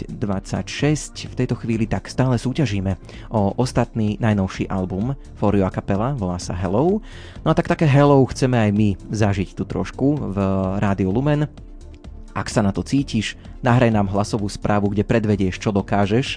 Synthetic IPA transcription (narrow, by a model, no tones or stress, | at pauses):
d̪ʋat͡sa̰cʃɛscft̪ɛjt̪ɔxʋiːlit̪akst̪aːlɛsuːcaʒiːmɛ | ʔɔʔɔst̪at̪niːnajnɔʊʃiʔalbum | fɔɾiɔakapɛlaʋɔlaːsa̰ɦɛlɔʊ | nɔat̪akt̪akɛːɦɛlɔʊxt͡sɛmɛajmizaʒict̪ut̪ɾɔ̰ʃkuvɾaːd̪iɔlumɛn | ʔaksanat̪ɔt͡siːciʃ | naɦɾajnaːmɦlasɔʋuːspɾʔaːʋuɡɟɛpɾɛd̪ʋɛɟɪɛʃt͡ʃɔd̪ɔkaːʒɛʃ